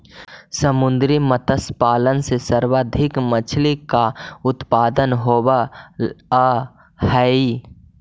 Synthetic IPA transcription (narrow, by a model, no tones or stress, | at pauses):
səmʊnd̪ɾimət̪əspaːlənsesəɾwaːd̪ʱɪkmət͡ʃʰlikaʊt̪paːd̪ənɦoːwa | a | hɛi